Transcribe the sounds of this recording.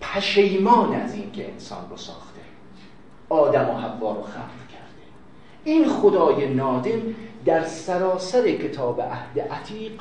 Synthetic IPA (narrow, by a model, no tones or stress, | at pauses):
pʰæʃejmɒːneæziːnkʰe̞̰ensɒ̰ːnrosɒ̰ːxt̪e | ɒːd̪æmoɦævːɒːɾoxæ̰ːmlkʲʰæɾd̪̥ | iːnxod̪ɒːjenɒːd̪emd̪æɾsæɾɒːsæɾe̞cʰet̪ʰɒːbḛʔæhd̪eʔæt̪ʰiːq